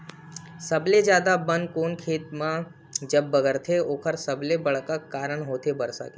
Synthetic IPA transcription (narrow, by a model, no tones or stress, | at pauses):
sɐbled͡ʒjaːd̪abə̃nkoːnkʰeːt̪mã | d͡ʒɐbːɐɡəɾt̪ʰeoːkʰəɾsɐblebɐɽkəkːaːɾəɳ̃ɦoːt̪ʰebɐɾsa̰ke